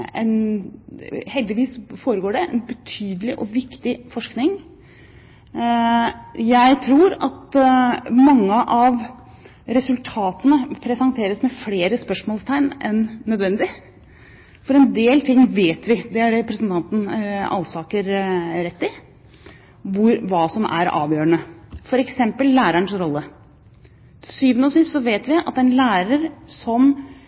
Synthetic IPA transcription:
ɛ̰n | hɛld̪ɪʋiːsfoːɾəɡoːɖɛʔɛ̰nbət̪ʰyːd̪əlɪʔɔʋɪkt̪ɪfɔʂknɪŋ | jæɪt̪ʰɾuːɾɑ̰t̪ | mɑŋːəʔɑʋ | ɾɛsʉlt̪ʰɑːt̪ənəpʰɾɛsɑnt̪ʰeːɾəsmɛfleːɾəspœʂmoːlst̪ʰæɪnɛnːœd̪ʋɛnd̪ɪ | fɔɾɛnd̪eːlt̪ʰɪŋːʋeːt̪ʋɪd̪ɛæɾɛpɾəsənt̪ʰɑnt̪n̩ɑ̰lsɑːkəɾɾɛt̪ːɪ | ʋʊɾʋɑːsɔmʔæ̰ɾɑ̰ːʋjøːɾəɳəfɔɾɛksɛmpəlːæːɾæɳsɾɔlːə | syːʋənəɔsɪst̪sɔʋeːt̪ʋɪɑ̰t̪ɛnlæːɾəɾsɔm

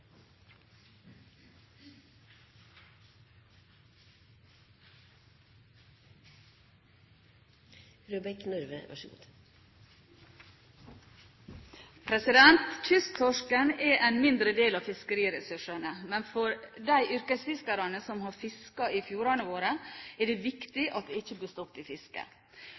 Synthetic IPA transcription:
ɾuːbɛknœɾʋə̰ʋɑ̰ʃəɡṵ | pʰɾɛsɪd̪ɛnt̪t͡ʃʰʏst̪ʰɔʂkənɛʔæɪnmɪnd̪ɾəd̪eːlɑʋfɪskəɾiːɾəsʉʂənəmɛnfɔɾd̪æɪʔʏɾkəsfɪskɑɾɑnəsɔmhɑɾfɪskɑifjuːɾɑnəʋoːɾəɛɖɛːʋɪkt̪ɪʔɑt̪̚d̪ɛɪçːəbliːst̪ɔt̪ːɪːfɪskə̰

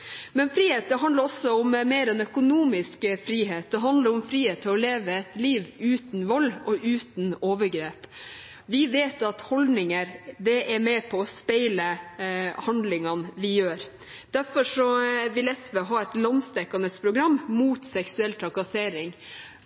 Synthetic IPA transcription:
mɛnfɾiːheːt̪̚d̪ɛɦɑnd̪əɾɔsːɔɔmmeːɾɛnœkʊnuːmɪskfɾiːɦeːt̪̚d̪ɛɦɑnd̪ləɾɔmfɾiːheːt̪ʰːɪɔleːʋəɛt̪liːʋʉːt̪n̩ʋɔlːɔʔʉːt̪n̩oːʋəɾɡɾeːp | ʋɪʋeːt̪ɑt̪hɔld̪nɪŋəɾd̪ɛʔæɾmɛpʰɔːspæɪlə | hɑnd̪lɪŋɑnʋɪjøːɾ | d̪̥æɾfɔʂɔʋɪlɛsʋəɦɑɛt̪lɑnst̪ɛkːɑnəspʰɾʊɡɾɑmːmuːt̪sɛksʉɛlt̪ʰɾɑkɑseːɾɪŋ

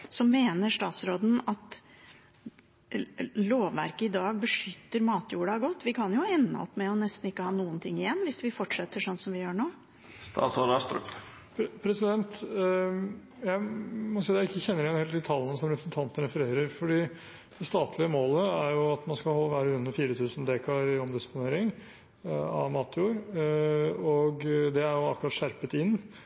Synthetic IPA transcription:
sɔmmeːnəɾʂt̪ɑːt̪sɾoːd̪n̩ɑt̪ | loːʋʋæ̰ɾkəɪd̪ɑːɡ̚bəʂʏt̪ːəɾmɑːt̪juːɽɑɡɔt̪ːʋɪkʰɑnjʊɛnːə̰ɔ̰pːmɛɔnɛst̪n̩ɪkːəhɑːnuːənt̪ʰɪŋːɪjɛnːʋɪsʋɪfɔʈʂɛt̪ːəʂɔnːsɔmʋɪjøːɳoː | st̪ɑ̰ːt̪sɔlst̪ɾʉ̰p | pʰɾɛsɪd̪ɛnt̪ | jæɪmɑsɛd̪æɪkːəçɛnːəɾɪɛnheːlɪlt̪ʰɑlːənəsɔmɾɛpɾəsn̩t̪ʰɑnt̪ənɾɛfəɾeːɾəɾfɔɖiː | d̪̥ɛst̪ɑːt̪ʰlɪəmoːləæɾjʊɑt̪mɑnskɑlhɔlːəʋæːɾəʉnːəɾfiːɾət̪ʰʉːsnd̪eːkʰɑɾɪɔmd̪ɪsə̥pʊneːɾɪŋ | ɑ̰ʋmɑːt̪ʰjuːɾ | ɔɡd̪ɛæɾjʊɑkːɾɑt̪ʂæɾpət̪ɪnː

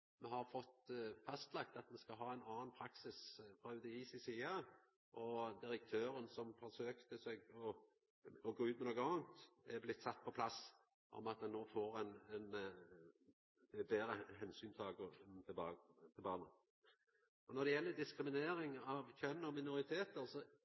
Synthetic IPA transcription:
mɛhɑɾfɔt̪fɑst̪lɑkt̪ɑt̪mɛskɑlɦɑːɛɪnɑːnpʰɾɑksɪsfʁɑːʉd̪əiːsɪsiːɑ | ʔɔd̪ɪɾək̚t̪ʰøːɾənsɔmfɔɾʂøːkt̪əsɛɡɔ | ɔɡoːʉːt̪mɛnoːɡənɑːnt̪ɛblɪt̪ːsɑt̪ːpʰɔpʰlɑs | ʔɔ̰mɑt̪dɛnːoːfoːɾɛnɛn | d̪̥ɛbeːɾəɦɛnsyːnt̪ʰɑɡoːt̪ʰɪbɑːt̪ʰɪlbɑːɾnə | ɔnɔd̪ɛjɛlːəd̪ɪskɾɪmɪneːɾɪŋɑʋçœnːɔmɪnʊɾɪt̪ʰeːt̪əɾsɔ

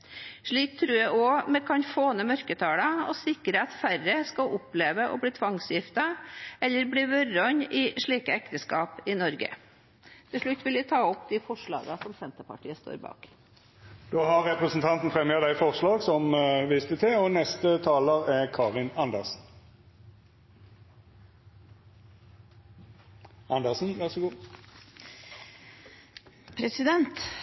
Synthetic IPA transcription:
ʂɭiːk̚t̪ʰɾʉːjæɪʔoːmɛkʰɑnfoːnəmœɾkət̪ʰɑːɽɑɔsɪkːɾəɑt̪færəskɑʔʊpleːʋəʔɔ̰bliːt̪ʰʋɑŋsjɪft̪ɑɛlːəɾbliːʋœɾɔɲɪʂɭiːkəɛkt̪əskɑːpɪnɔɾɡə̰ | t̪ʰɪʂɭʉt̪ːʋɪlʋɪt̪ʰɑːɔpd̪ɪfɔʂɭɑ̰ːɡɑsɔmsɛnt̪əpɑ̰ʈiːəst̪o̰ːɾbɑ̰ːk | d̪̥oːhɑʁʁɛpʁəsn̩t̪ʰɑnt̪n̩fʁɛmjəd̪æɪfɔʁʂlɑːɡsɔmʋɪst̪ət̪ʰɪɔnɛst̪ət̪ʰɑːləʁæʁkʰɑːʁɪnɑnd̪əʁsn̩ | ʔɑnd̪əʁsn̩ʋæʁsɔɡuː | pʰɾɛsɪd̪ɛnt̪

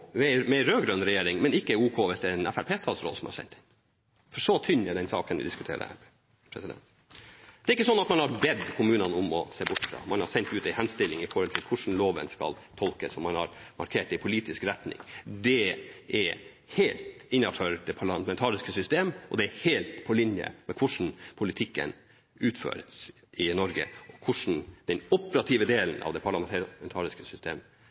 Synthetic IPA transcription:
ʋɛmɛɾøːɡɾœnɾɛjeːɾɪŋmɛnɪkːəuːkʰoːʋɪsd̪ɛɾɛnæfæɾpʰeːst̪ʰɑːd̪sɾɔ̰lsɔmhɑ̰ɾsɛ̰nt̪ɪn | fɔʂɔt̪ʰʏnːəd̪ɛnsɑ̰ːkənʋɪ̰d̪ɪskʉt̪ʰḛːɾə̰æ̰ | pʰɾɛsɪd̪ɛ̰nt̪ | d̪̥ɛːɾɪkːəsɔnːɑt̪mɑnhɑɾbɛd̪kʰʊmʉːnɑnʊmɔseːbʊʈːfɾɑ̰mɑnhɑɾsɛnt̪ʉːt̪æɪhɛnst̪ɪlːɪŋɪfɔɾhɔlt̪ʰɪlkʰʊʂn̩loːʋə̰nskɑ̰lt̪ʰɔlkəsɔmːɑnhɑ̰ɾmɑ̰ɾkʰeːʈɪpʰʊliːt̪ɪskɾɛt̪nɪ̰ŋd̪ɛʔɛɾ | heːlt̪ɪnːɑføɾd̪ɛpʰɑɭɑmɛnt̪ʰɑːɾɪskəsʏst̪eːmʔɔ̰d̪ɛæɾheːlt̪pʰɔlɪnjə̰mɛkʰʊʂɳ̩pʰʊlɪt̪ʰɪkːə̰n | ʉːt̪fø̰ːɾəs | ɪnɔɾɡə̰ɔkʰʊʂɳ̩d̪̥ɛnɔpəɾɑt̪ʰiːʋəd̪eːlənʔɑ̰ʋd̪ɛpʰɑɭɑɛnt̪ʰɑːɾɪskəsʏst̪eːm

